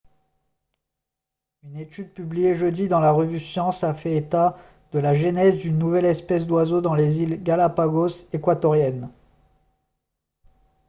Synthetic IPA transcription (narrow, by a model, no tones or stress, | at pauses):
ynet̪yd̪̚pyblijeʒəd̪id̪ɑ̃laʁəvysjɑ̃safɛet̪a | d̪̥əlaʒenɛzd̪ynːuvɛlɛspɛs̬d̪wazod̪ɑ̃lezilɡalapaɡosekwat̪ɔʁjɛn